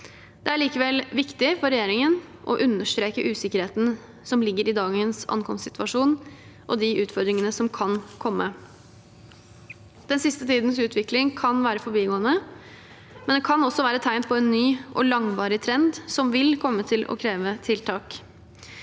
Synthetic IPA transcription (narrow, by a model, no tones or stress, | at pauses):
d̪̥ɛæɭiːkəʋɛlʋɪkt̪ɪfɔɾɛjeːɾɪŋən | ʔɔ̰ʔʉnːəʂt̪ɾeːkəʔʉːsɪkːəɾheːt̪n̩ | sɔmlɪɡːəɾɪd̪ɑːɡənsɑ̰nkʰɔmst̪sɪt̪ʋɑʂuːn | ʔɔd̪ɪʔʉːt̪fɔɾd̪ɾɪŋənəsɔmkʰɑnkʰɔmːə | d̪̥ɛnsɪst̪ət̪ʰiːd̪ən̩sʉːt̪ʰʋɪklɪŋkʰɑnʋæːɾəfɔɾbiːɡoːənə | mɛnd̪ɛkʰɑnɔsːɔʋæːɾət̪ʰaɪnpʰɔɛnːyːʔɔ̰lɑŋʋɑːɾɪt̪ʰɾɛnd̪sɔmʋɪlkʰɔmːət̪ʰɪlʔɔ̰kʰɾeːʋət̪ʰɪlt̪ʰɑːk